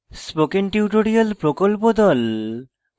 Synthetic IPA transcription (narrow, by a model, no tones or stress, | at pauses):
spokenʈiuʈoɾialpɾokolpod̪ɔl